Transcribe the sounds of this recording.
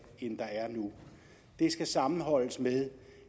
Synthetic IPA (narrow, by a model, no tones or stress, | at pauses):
end̥ɑ̈æɐnu | d̥e̝sɡ̥æsɑ̈mn̩ɦɒ̽l̰əsmeðˠ